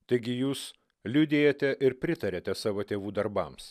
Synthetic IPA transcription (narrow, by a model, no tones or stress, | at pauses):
t̪ɐɪɡʲɪjuːs | lʲʊd̪ʲeːjot̪ʲɛʔɪɾpʲɾʲɪt̪ɐɾʲeːt̪ʲɛsɑːʋoːt̪ʲeːʋuːd̪ɐɾbɐms